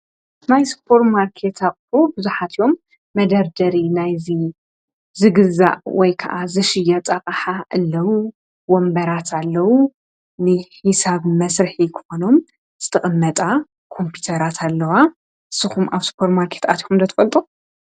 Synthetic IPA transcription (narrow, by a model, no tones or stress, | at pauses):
najspʰo̞ɾmaɾkʰe̞t̪ʰakʼfobɨzuħat̪ʰjo̞mː | ɐd̪ɐɾd̪ɐɾinajzi | zɨɡɨza̰ʔwɔjkʰɐʔazɨʃɪjɐt̪ʼɐqʼaħaʔɨlːɐwu | wombɐɾat̪ʰalːɐwu | nɨħisaβmɐsɾɨħikʰɨ̥xo̞no̞m | z̥ɨ̥t̪ʰɐχʼɨmːɐt̪ʼa | kʰo̞mpʰut̪ʰɐɾat̪ʰalːɐwa | ʔɨsɨxumaβspʰo̞ɾmaɾkʰe̞t̪at̪ixumd̪ɐt̪ʰɐ̥fɐlt̪ʼu